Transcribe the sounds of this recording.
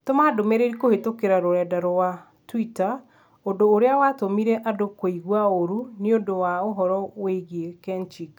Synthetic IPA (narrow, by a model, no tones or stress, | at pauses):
tomadomeɾeɾikohetokeɾaɾoɾɛdaɾɔwa | twita | ondoːɾeawatomiɾɛʔadokoiɣwaoɾuniondowaoɦɔɾɔweiɣekɛnt͡ʃik